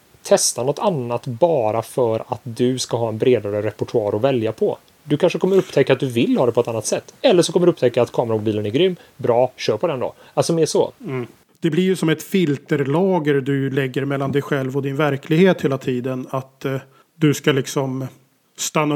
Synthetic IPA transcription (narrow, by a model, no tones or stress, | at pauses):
t̪ʰɛst̪anɔt̪ʰːanːat̪bɑːɾafœɾa̰t̪d̪ɵskaɦɑːɛnbɾeːd̪aɾəɾɛpːɔʈʰɵɑ̰ːɾɔvɛljapʰɔ̰ | d̪ɵkʰanʂəkʰɔmːəɾɵpːt̪ʰɛkːat̪̚d̪ɵvɪlːhɑːd̪ɛpʰɔɛt̪anːat̪sɛt̪ːɛlːəʂɔkʰɔmːəɖ̪ɵɵpt̪ʰɛkːaːt̪kʰɑːmɾamʊbiːlənæɾɡɾʏmːbɾɑːɕœːɾpʰɔd̪ɛnd̪o̰ː | alsɔmeːʂɔ̰ | d̪̥ɛblɪɾjɵsɔmɛt̪fɪlt̪əɾlɑːɡəɾd̪ɵlɛɡːəɾmɛlːand̪ɛjɧɛlvɔd̪ɪnvæɾkʰlɪɡheːt̪heːlat̪ʰiːd̪ənat̪ | d̪ɵskalɪksɔm | st̪anːa